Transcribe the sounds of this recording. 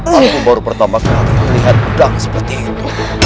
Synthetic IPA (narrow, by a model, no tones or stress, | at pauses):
inikunbaɾupərt̪amakaliməliɦat̪̚udaŋsə̥pərt̪iːt̪u